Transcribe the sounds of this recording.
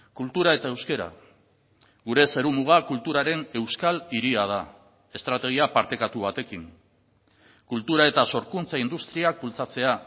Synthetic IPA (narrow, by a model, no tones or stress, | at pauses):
kult̪uɾae̞t̪ae̞wske̞ɾa̰ | ɣuɾe̞seɾumuɣ̞akult̪uɾaɾe̞ne̞wskaliɾiað̞a | e̞st̪ɾat̪e̞ɣ̞iapaɾt̪e̞kat̪uβ̞at̪e̞kiŋ | kult̪uɾae̞t̪aso̞ɾkunt͡saind̪ust̪ɾiak̚bult͡sat͡se̞a